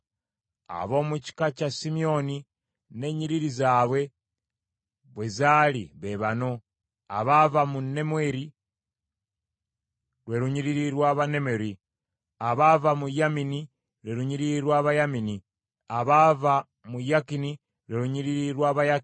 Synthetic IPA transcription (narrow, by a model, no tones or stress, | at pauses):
a̰βo̞ːmuci̥kacasimio̞ni | ne̞ɲiɾiɾizaːβwe̞ | βwezalḭβe̞βano̞ | a̰βavamunːe̞mweɾi | ɾwe̞ɾuɲiɾiɾiɾwaːβane̞me̞ɾi | aβavamujamini | ɾwe̞ɾuɲiɾiɾwaːβajamini | aβava | mujakini | ɾwe̞uɲiɾiɾiɾwaːβaja